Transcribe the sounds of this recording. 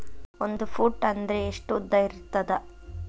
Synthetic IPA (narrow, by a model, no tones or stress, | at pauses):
ond̪upʰuːʈːɐnd̪ɐɾeːʂʈud̪ːɐiɾut̪ːɐd̪ɐ